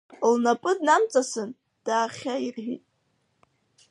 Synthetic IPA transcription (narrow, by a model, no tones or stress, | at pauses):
lnapʼɨdnamt͡sʼasɨn | d̥aːχʲairħʷᶣḭtʼ